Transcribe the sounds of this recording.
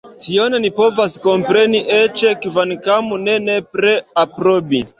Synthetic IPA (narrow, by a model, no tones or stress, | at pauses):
tionenipo̞vasko̞mpɾe̞niʔet͡ʃekivankamunenepɾeapɾobi